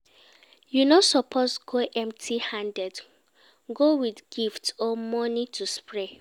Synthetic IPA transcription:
junosɔpʰosɡoʔɛ̃mtʰihãndɛd | ɡowidɡ̥iftɔmɔnitʰuspɹe

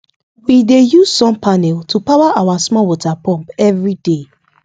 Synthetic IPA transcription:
widejuz̥sɔ̃mpʰanɛltʰupawaʔawasmɔwɔtʰapɔ̃mpɛvɹide

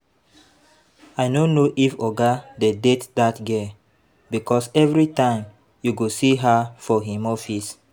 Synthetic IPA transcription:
aɪnonoʔifɔɡadedetdatɡe | bikɔsɛvɹitãɪ̃m | juɡosiɦafɔɦĩmɔfis

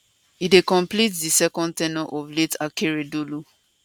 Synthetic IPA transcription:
idekɔ̃mplitdisɛkɔ̃n̚tɛnɔʔɔvletakeɹedolu

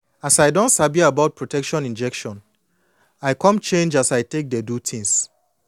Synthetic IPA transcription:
asajdõntsabiabaʊt̚pʰɹotɛkʃɔ̃nĩnd͡ʒɛkʃɔ̃n | aɪkʰɔ̃mt͡ʃẽnd͡ʒasajtek̚dɛdutʰĩŋs

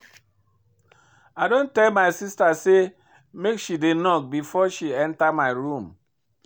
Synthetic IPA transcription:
adon̩tɛlmaɪsistase | mekʃidenɔk̚bifɔʃiɛntamaɪɾum

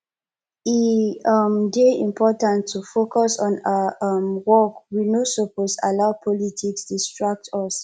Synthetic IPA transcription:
iʌmdeĩmpʰɔtãntʰːufokɔsɔ̃namwɔkwinosoposa̰lapʰɔlitʰikstustɹak̚tɔs

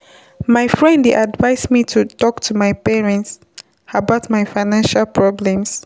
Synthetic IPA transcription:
maɪfɹɛ̃ndiʔadvaɪsmitʰutɔktʰumaɪpɛɹɛ̃nts | abaʊtmaɪfaɪnãnʃalpʰɹɔblɛ̃ms

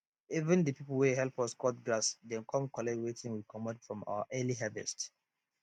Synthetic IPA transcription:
ivə̃ndəpipəlˠwɛɦɛlpɔskɔtɡɹasdɛ̃kʰɔ̃mkɔlɛwetʰɪ̃ŋwikʰɔmɔdfɹɔ̃ma̰ə̰ʔɛliɦɛvɛ̰st

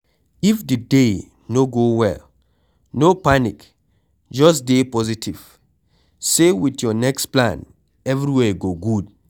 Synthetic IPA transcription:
ifdɨde | noɡowɛ̰l | nopanik | d͡ʒɔsdepɔzitʰiv̥ | sewitjɔnɛksplã̰n | ɛvɹiwɛɡoɡud

